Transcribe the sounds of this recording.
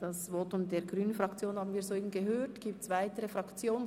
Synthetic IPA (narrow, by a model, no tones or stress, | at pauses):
d̥ɑsvɔtʊmdeːɾɡʁyːnənfʁɑkt͡sjoːnhaːbn̩viːɐzoːiːbən̩ɡəɦøːtɡ̥iːp̚tsvaɪtəʁəfʁɑkt͡sjoːnə